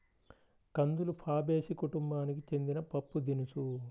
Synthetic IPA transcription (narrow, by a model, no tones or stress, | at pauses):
kɐnd̪ulupʰaːbe̞ːsikuʈumbaːnik̬it͡ʃe̞nd̪inɐpɐpːud̪inusu